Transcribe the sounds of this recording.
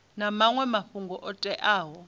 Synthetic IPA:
namaŋwɛmaɸuŋɡɔʔɔtʼɛʔaːɦɔ

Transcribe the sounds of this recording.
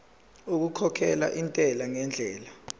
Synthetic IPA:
uk̬ukʰɔkʰɛla̰ʔintʼɛlaŋɛnd͡ɮʱɛːla

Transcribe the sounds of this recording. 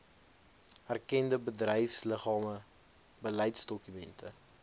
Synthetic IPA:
ærkɛndəbədrɛjfsləχɑːmə | bəlɛjtsdɔkymɛntʰə

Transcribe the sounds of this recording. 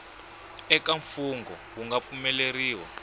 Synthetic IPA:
ɛkaɱfuŋɡɔ | wuŋɡap̪fumɛleriːwɔ̰

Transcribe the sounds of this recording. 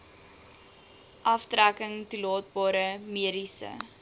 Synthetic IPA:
ʔɐftrækəŋtulɑːt̚bɑːɾəmiəɾisə̰

